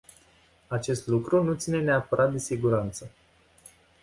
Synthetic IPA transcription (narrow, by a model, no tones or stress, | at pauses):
at͡ʃe̞st̪lukɾunut̪sine̞neapəɾʔat̪̚d̪e̞siɡuɾant̪sə